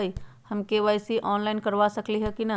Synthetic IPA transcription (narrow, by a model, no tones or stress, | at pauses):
i | hɐmkeʋaːjsiʔɔːnlaːɪnkəɾʋasəkliɦɛkinɐ